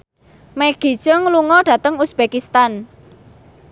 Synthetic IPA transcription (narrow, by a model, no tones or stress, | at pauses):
meɡ̥i̤̥ʒ̥əŋluŋɔɖ̥ä̤t̪əŋusb̥ekist̪an